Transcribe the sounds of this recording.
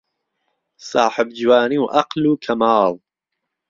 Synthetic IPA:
sɑːħɪb̚d͡ʒwaːniwʔɐqluːkʰɐmaːl

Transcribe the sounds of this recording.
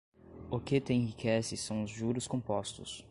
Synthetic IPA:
oket̪ẽẽhɦikʰɛsɪsɐ̃w̃ʊzʒuɾʊskõpɔst̪ʊs

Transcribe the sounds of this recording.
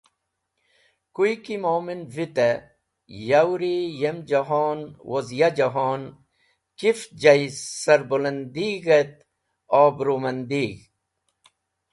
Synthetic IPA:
kujkimoːminvit̪e | jawɾijemd͡ʒɐɦoːnwʔozjad͡ʒɐɦoːn | kifd͡ʑɐisɐɾbolɐnd̪iːɣet̪̚ | oːbɾomɐnd̪iːɡ

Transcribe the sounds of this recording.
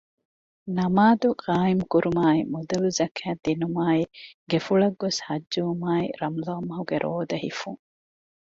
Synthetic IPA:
nɐmaːd̪uqaːimukuɾumaːimud̪ɐluzɐkʰæːd̪inumaːiɡefuɭɐɡːoshɐd͡ʒːuumaːiɾɐmloːmːɐɦuɡeɾʔoːd̪ɐɦḭfuŋ

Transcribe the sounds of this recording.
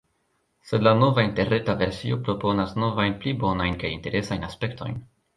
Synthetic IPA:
se̞dlano̞vainte̞ɾetave̞ɾsio̞pɾo̞po̞nasno̞vajnplibo̞najnkajinte̞ɾe̞sajnaspe̞ktʰo̞̰jn

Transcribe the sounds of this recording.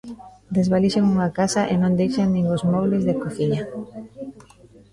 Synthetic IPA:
d̪ezβaliʃeŋuŋakasaʔenõnd̪ejʃaŋnĩŋɡozmoβlezðekoθiɲa

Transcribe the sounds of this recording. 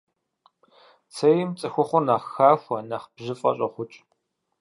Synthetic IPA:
t͡sʰɐjɪmt͡sʼɨxʷʊχʷʊnaːxaːxʷɐnaχbʑɪfʼɐ̰ɕʼɐχʷʊt͡ʃʼ

